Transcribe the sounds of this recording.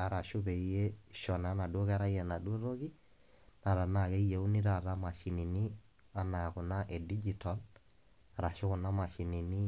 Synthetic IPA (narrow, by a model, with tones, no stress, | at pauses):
a˨ɾa˨ʃo˦βɛ˨i˦e˦ʃɔ˨n˨a˦na˨dwo˦ka˦ɾa˦i˦ɛ˨na˨dwo˦ɾo˦ki˦ | na˨ɾa˨na˨ɣɛ˦i˦jɛ˨u˦ni˦ɾa˨ɾa˦ma˨ʃi˨ni˨ni˦ | a˦na˨a˨ko˨na˦ʔe˨di˦d͡ʒi˨ta˨l | aɾa˨ʃo˦ɣo˨na˦ma˨ʃi˨ni˨ni˦